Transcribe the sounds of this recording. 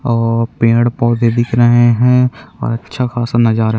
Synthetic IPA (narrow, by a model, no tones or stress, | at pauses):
ɔːɾpẽːɽpɔːd̪ed̪ɪkɾəɦeɦɛ̃ɔ̰ːɾɐtːʃʰaxaːsanad͡ʒaːɾ